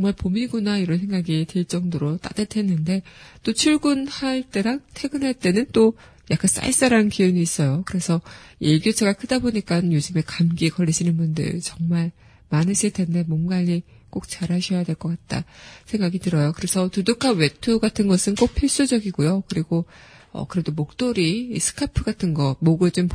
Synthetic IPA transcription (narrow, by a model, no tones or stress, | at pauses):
t͡ɕʌŋmaɭpomiɡunaiɾʌnsʰe̞ŋɡaɡiteɭt͡ɕ͈ʌŋdoɾot͈a̰detʰe̞nːɯnde̞t͈ot͡ɕʰuɭɡunhaɭt͈e̞ɾaŋtʰe̞ɡɯnɦaɭt͈e̞nɯnt͈o | jak͈ʰans͈a̰iɭs͈aɾanɯnkiɯɲiːs͈ʌjokɯɾe̞sʰʌeɭɡjot͡ɕʰeɡakʰɯdaboɲik͈anjod͡ʑuɯme̞kamɡikʌɾːiɕʰinɯnbundɯ̰ɭt͡ɕʌŋmaɭ | manɯɕʰiɭt͈ʰende̞mwʌnɡaʎːik͈ok̚t͡ɕaɾɦaɕʰʌjadwe̞ɭk͈ʌk͈at̚t͈a̰sʰe̞ŋɡaɡitɯɾʌjokɯɾe̞sʰʌtudukʰawe̞tʰuɡatʰɯnɡʌsʰɯnk͈opʰiɭs͈ud͡ʑʌɡiɡojokɯɾiɡo | ʌ̰kɯɾe̞domok̚t͈oɾisʰɯ̥kʰapʰɯɡatʰɯnɡʌmoɡɯɭd͡ʑom